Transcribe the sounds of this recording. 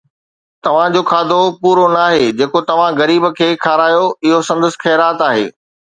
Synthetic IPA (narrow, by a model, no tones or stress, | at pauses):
t̪ɐʋ̤ãd͡ʑoːkʰaːd̪ʱopuːɾonaːɦeːd͡ʑeːkot̪ɐʋ̤ãɣɐɾiːbə̆kʰeːkʰaːɾaːjoɪɦosɐ̃nd̪əs̆xɛːɾaːt̪aːɦḛː